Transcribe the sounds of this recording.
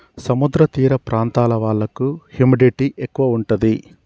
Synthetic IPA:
sɐmud̪ɾɐt̪iːɾɐpɾaːnt̪aːlɐʋaːɭːɐkuhumiɖiʈiʔekːuʋɐuɳʈud̪i

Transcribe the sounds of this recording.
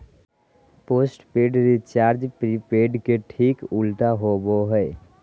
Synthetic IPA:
poːsʈpeːɖɾit͡ʃaːɾd͡ʒpɾipeːɖkeʈʰiːkʊlʈ̪aɦoboɦɛe

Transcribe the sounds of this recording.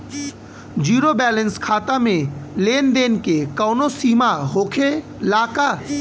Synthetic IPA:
d͡ʒiːɾobɛːlə̃nskʰaːt̪amẽleːnd̪eːnkekəːnosiːmaɦoːkʰe | laːka

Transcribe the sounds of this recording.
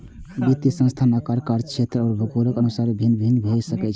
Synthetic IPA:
bit̪ːisə̃nst̪ʰanəkaɾkaɾt͡ʃʰet̪ɾɔːɾbʱəkoɾəkənusaɾbʱinːbʱinbʱesəkɛt͡ʃʰ

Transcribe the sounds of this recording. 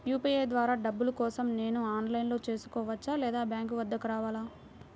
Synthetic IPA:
juːpiːeːd̪ʋaːɾaːɖɐbːulukɔːsɐmne̞ːnuaːnlɐjnlo̞ːt͡ʃe̞ːsu̥kɔːʋɐt͡ʃːaːlɛːd̪aːbjaːŋkʋɐd̪ːɐkuɾaːʋaːlaː

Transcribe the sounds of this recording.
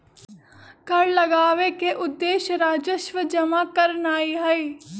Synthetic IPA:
kɐɽlɐɡaːʋekeʔʊd̪ːeːʃɾaːd͡ʒəʃʋəd͡ʒɐmakɐɾnaːiɦɛe

